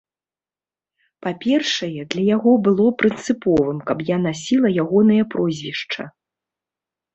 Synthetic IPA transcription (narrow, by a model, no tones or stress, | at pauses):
papʲɛrʂɐjɛd̪lʲɐjaɣɔbɨlˠɔpɾɨnt̪sɨpɔvɨmkɐpjanasʲilˠɐjaɣɔnɐjɐpɾɔzʲvʲiʂt͡ʂɐ̰